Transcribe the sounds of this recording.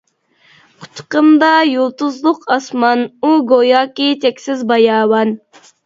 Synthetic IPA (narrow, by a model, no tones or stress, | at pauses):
qʰʊ̥t̪ʰːqəmd̪ɑjolˠt̪uzlˠʊqʰɑsmɑnuɡojɑːkʲit̪ʰɛkʲsɪzbɑjɑːwɑn